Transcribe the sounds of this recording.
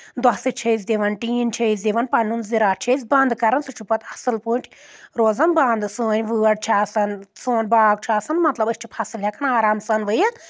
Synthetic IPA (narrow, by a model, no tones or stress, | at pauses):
d̪ɐsɨt͡ʃʰɐis̬ʲd̪iʋɐnʈiːnt͡ʃʰɐis̬d̪iʋɐnpɐnunziɾaːt͡ʃʰɐsʲbɐnd̪kɐɾɐnsɨt͡ʃʰupɐt̪ʰɐsɨlpuːʈʲʰ | ɾoːzɐnbɐnd̪suːnʲʋɨːɐɽ̚t͡ʃʰaːsɐnsoːnbaːɡ̚t͡ʃʰaːsɐnmɐt̪lɐbɨʃt͡ʃʰipʰɐsɨlɦʲɐkɐnaːɾaːmsɐnʋɨjɐ